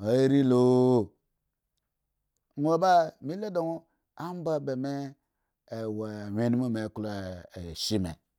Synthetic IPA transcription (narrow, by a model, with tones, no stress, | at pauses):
a˨˦ɾi˦lo˦˨ | nʷo˨ba˦mi˦le˦do˨ŋo˦ | a˦m˦ba˦be˨me˦˨ | wa˨we˦n˦mo˦me˨ku˦la˦e˨ʃi˦mḛ˨